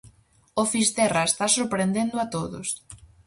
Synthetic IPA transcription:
ofist̪ɛraest̪asoɾpɾend̪end̪ʊat̪oðʊ̰s

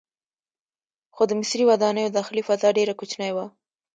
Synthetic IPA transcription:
xod̪əmɪsɾiwad̪ɑnəjod̪ɑxɪlifazɑɖeɾakut͡ʃnajwa

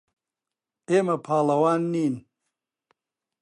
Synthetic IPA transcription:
eːmɐpʰaːlɐwaːnːiːn

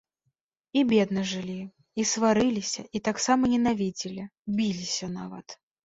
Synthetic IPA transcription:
ibʲɛd̪nɐʐɨlʲi | isvaɾɨlʲisʲɐʔit̪aksamɐnʲɛnavʲid͡zʲilʲibʲilʲisʲɐnavɐ̰t̪

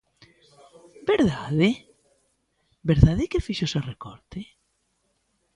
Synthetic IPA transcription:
beɾðaðe | beɾðaðekefiʃosarekɔɾt̪e

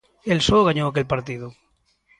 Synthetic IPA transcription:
elsoɣaɲoake̞lpaɾt̪iðo

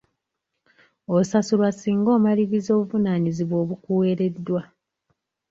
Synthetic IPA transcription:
osasulwasiːŋɡo̞ːmaliβizo̞ːβuvunaɲiziβo̞ːβukuwe̞ɾe̞dːwa

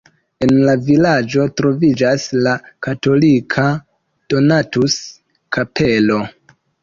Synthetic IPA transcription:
e̞nlavilad͡ʒo̞tɾo̞vid͡ʒaslakato̞likʰa | d̥o̞natus | kʰapʰe̞lo̞

